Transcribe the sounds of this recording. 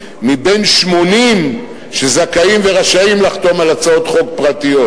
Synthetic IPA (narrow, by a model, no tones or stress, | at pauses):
mibe̞nʃmo̞nim | ʃezakaimve̞ʁaʃaimlaχt̪o̞malat͡sao̞t̪χo̞k̚pʁat̪ijo̞t